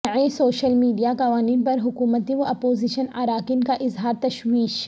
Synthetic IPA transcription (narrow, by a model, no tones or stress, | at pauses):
ɐẽsoːʃəlmiːɖijakɐʋaːniːnpɐɾɦʊkuːmət̪iʋoɐpoːziʃənaːɾaːkɪnkaʔɪzɦaːɾt̪ɐʃwiːʃ